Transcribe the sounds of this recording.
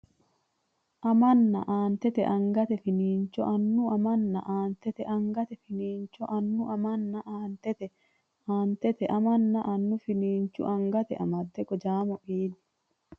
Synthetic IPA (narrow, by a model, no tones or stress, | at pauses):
ʔɐmɐnːɐ̰ʔaːnt̪ɛt̪ɛ̰ʔɐŋɡɐt̪ɛfɪniːnt͡ʃːɔ̰ʔɐnːʊʔɐmɐnːɐ̰ʔaːnt̪ɛt̪ɛʔɐŋɡɐt̪ɛfɪniːnt͡ʃːɔʔɐnːʊʔɐmɐnːɐʔaːnt̪ɛt̪ɛ | aːnt̪ɛt̪ɛʔɐmɐnːɐʔɐnːʊfɪniːnt͡ʃːʊ̰ʔɐŋɡɐt̪ɛʔɐmɐdt̪ːɛkʼɔd͡ʒaːmɔʔiːd̪ɪ̥